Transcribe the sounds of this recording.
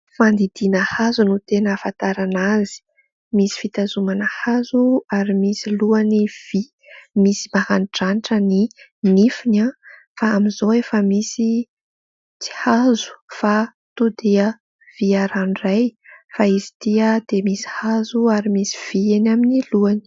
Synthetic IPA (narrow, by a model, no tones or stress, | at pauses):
mand̪id̪inəhazunut̪enəfant̪aɾanazi̥ | misi̥fit̪azumanəhazuaɾimisiluaniv̥i | misi̥mahaniʈ͡ʂaniʈ͡ʂəninifina | faːmizoefəmisi | t͡si̥hazu̥fa | t̪ud̪eə | v̥iaɾanrajfaizi̥t̪iəd̪̥emisi̥hazuaɾimisi̥v̥ienaminiluani̥